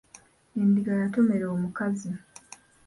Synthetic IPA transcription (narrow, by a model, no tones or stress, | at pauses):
indiɡajatome̞ɾeomukazi